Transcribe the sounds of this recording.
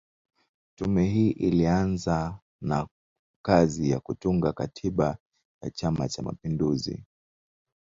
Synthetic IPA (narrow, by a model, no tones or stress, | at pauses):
tumɛɦiːʔilianza | na | kazijakutuŋɡakatʰiɓa | ja̰t͡ʃama̰t͡ʃama̰pinduzḭ